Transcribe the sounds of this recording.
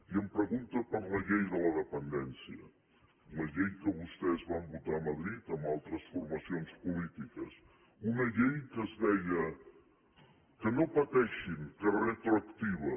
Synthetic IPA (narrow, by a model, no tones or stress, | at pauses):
iəmpɾəɣunt̪əpəɾləʎejðələðəpənd̪ɛnsiə | ləʎejkəβust̪ɛzβambut̪aːməðɾit̪əmbalˠt̪ɾəsfuɾmɐsionspulit̪ikəs | unəʎejkəzðɛjə | kənopət̪ɛʃiŋkəret̪ɾuəkt̪iβə